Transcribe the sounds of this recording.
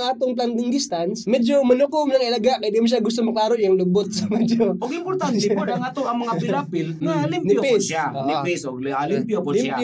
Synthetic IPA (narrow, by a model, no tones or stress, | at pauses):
ŋʔaːt̪oŋpland̪ɪŋd̪ɪst̪ansmɛd͡ʒomɐnukomnɐŋʔɪlɐɡaʔkɐjd̪imoʃ̬aɡʊst̪omɐklaːɾojʊŋlʊbot̪̚sɐmɛd͡ʒoʔoɡɪmpoɾt̪antɛpod̪ɐŋɐt̪oʔɐŋmɐŋapɪɾapɪlnɐlɪmnɪjopɪsaoʔnɪpisoɡlimpjopoa